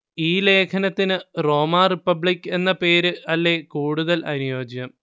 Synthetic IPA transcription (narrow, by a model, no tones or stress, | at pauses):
iːle̞ːkʰɐnɐt̪ːinɨro̞ːmaːripːɐbɭikːe̞nːɐpe̞ːɾɨɐlːe̞kuːɽuðɐlɐ̰nujo̞ːd͡ʑɐm